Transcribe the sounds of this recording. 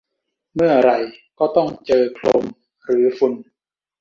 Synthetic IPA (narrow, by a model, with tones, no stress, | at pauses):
mɯ˥˩ɐɾa˧jkɔː˥˩t̪ɔ˥˩ŋt͡ɕɤː˧kʰloː˧m | ɾɯː˩˦fu˧n